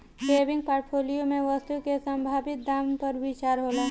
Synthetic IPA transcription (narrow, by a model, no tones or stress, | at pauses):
seːbɪ̃ŋɡ̚paːʈpʰoːlijomẽʋəst̪ukesə̃mbʱaːbɪt̪̚d̪aːmpɐɾʋɪt͡ʃaːɾɦoːlaː